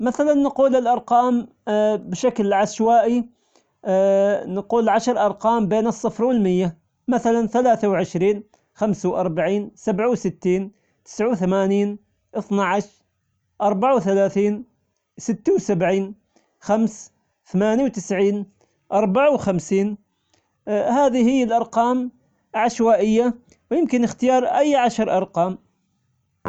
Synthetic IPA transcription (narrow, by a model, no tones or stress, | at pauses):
maθalanːquːlɪlʔɑɾˤqɑːm | bʃaklʕaʃwaːʔi | nɪquːlʕaʃɑɾˤʔɑɾˤqɑːmbeːnɨsˤːɨfɾwɪlmɪjːa | maθalanθalaːθawʕɪʃɾiːn | xamsawʔɑɾˤbaʕiːnsabʕawsɪt̪ːiːn | t̪ɪ̥sʕawθamaːniːn | ʔɨθnaʕaʃ | ʔɑɾˤbaʕawθalaːθiːn | sɪt̪ːawsabʕiːn | xams | θamaːnawt̪ɪsʕiːn | ʔɑɾˤbaʕawxamsiːn | haːðihɪjːalʔɑɾˤqɑːm | ʕaʃwaːʔɪjːa | wjɪmkɪnɪxt̪ɪjɑːɾˤʔajːʕaʃɾˤʔɑɾˤqɑːm